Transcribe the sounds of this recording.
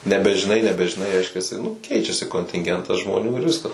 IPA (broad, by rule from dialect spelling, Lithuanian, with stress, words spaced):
nʲɛbʲɛʒʲɪˈnɐɪ nʲɛbʲɛʒʲɪˈnɐɪ ˈrʲɛɪʃʲkʲɛsʲɪ nʊ ˈkʲɛɪt͡ʃʲɛsʲɪ koːnʲtʲɪŋʲˈɡʲɛntɐs ʒmoːˈnʲuː ɪr ˈʋʲɪskɐs